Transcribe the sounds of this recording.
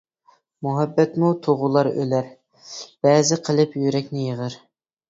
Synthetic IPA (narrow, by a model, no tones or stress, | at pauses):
muɦɛbːɛt̪mut̪ʰoʁʊlˠɑɾø̰læɾ | b̥ɛːzɪqʰəlˠɨpjyɾɛkʲnɪjəʁəɾ